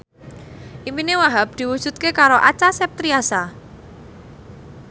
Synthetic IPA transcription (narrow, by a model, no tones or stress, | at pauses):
ʔiminewaɦap̚d̪̥i̤wud̥ʒ̥ṳt̪̚kekaɾoʔat͡ʃasɛp̚t̪ɾiasa